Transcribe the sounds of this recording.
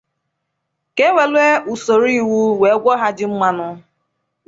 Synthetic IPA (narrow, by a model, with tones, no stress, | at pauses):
ke˦we˨lʷe˦u˨so˨ɾi˦˨wu˦we˨˦ɡʷɔ˦ɦa˦dɪ˦ŋ͡m̩˦ma˦nʊ˦